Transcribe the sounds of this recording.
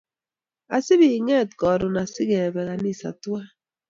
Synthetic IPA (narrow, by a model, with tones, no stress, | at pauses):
a˨si˦bi˨ŋe˦˨t̚kɔ˨ɾu˨na˨si˦ɣe˨be˨ɣa˨ni˦˨sa̰˨tu˦a˦